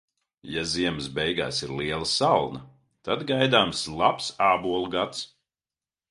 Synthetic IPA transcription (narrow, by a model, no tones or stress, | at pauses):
jaziɛmɨsbɛjɡa̰ːsiɾliɛlˠɐsalˠnɐ | t̪ad̪ɡajd̪aːmslˠapsaːbuɔlˠuɡat̪s